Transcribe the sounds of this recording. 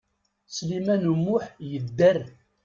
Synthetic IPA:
slimænumːʊħjəd̪ːər

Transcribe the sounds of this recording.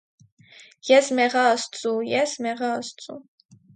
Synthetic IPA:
jɛsmɛʁɑːst͡sʼujɛsmɛʁɑːst͡sʼṵ

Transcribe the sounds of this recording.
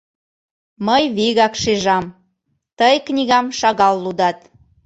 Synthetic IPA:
məjβiɣɑkʃiʒɑm | t̪əjknʲiɣɑmʃɑɣɑlːud̪ɑt̪

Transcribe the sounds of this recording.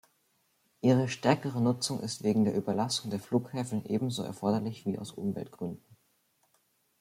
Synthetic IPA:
ʔiːʁ̞əʃtɛɐkəʁ̞ənʊt͡sʊŋʔɪ̰stv̥eːɡŋ̩deːɐʔyːbɐlasʊŋdeːɐfluːkhɛːfn̩ʔḛːbm̩zoːɛ̰ɐfɔɐdɐlɪçv̥iːa̰ʊsʔʊ̰mvɛ̰ltɡ̥ʁʏndn̩

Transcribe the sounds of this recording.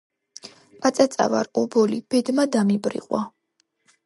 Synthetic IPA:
pʼat̪sʼat̪sʼa̰va̰ɾɔbɔlib̥ɛd̪mad̪amibɾḭʁʼwa

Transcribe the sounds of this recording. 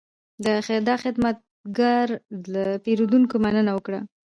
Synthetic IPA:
d̪əd̪ɑxɪd̪mat̪̚ɡaɾlapeɾod̪unkomanənawəkɽa

